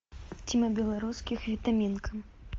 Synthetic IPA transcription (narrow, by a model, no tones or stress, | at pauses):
t͡sʲimɐbʲɛlˠaɾuskʲixvʲit̪amʲinkʰɐm